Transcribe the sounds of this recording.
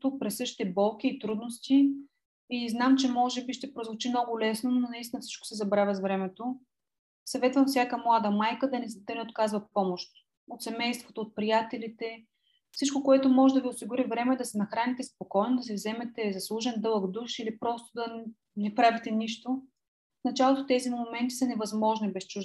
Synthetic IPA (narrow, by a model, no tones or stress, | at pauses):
t̪uk̚pɾɛsɤʃt̪i̥t̪ɛbɔlˠkʲiːt̪ɾud̪nost̪iː | znamt͡ʃɛmɔʒɛbiʃt̪ɛpɾozvot͡ʃimnɔɡʊlɛsnononɐist̪ʲinəfsi̥t͡ʃko̥sɛzɐbɾavʲɐzvɾɛmɛt̪o | sɐvɛt̪vɐmfsʲjakəmlˠad̪ɐmajkəd̪ɐnɛd̪ɐnɛot̪kazvɐpɔmoʃt̪ | ot̪sɛmɛjst̪vot̪oːt̪̚pɾijat̪ɛlit̪ɛ | fsit͡ʃkokoɛt̪omɔʒɛd̪ɐviʊsiɡʊɾivɾɛmɛd̪ɐsɛnɐxɾanit̪ɛspokɔjnod̪ɐs̬ɛvzɛmɛt̪ɛzɐslˠuʒɛnd̪ɤlˠəɡd̪uʃilipɾɔst̪od̪ɐ | nɛpɾavit̪ɛniʃt̪o | fnɐt͡ʃalˠot̪ot̪ɛzinmomɛnt̪i̥sɐnɛvɐzmɔʒnibɛst͡ʃuʒd̪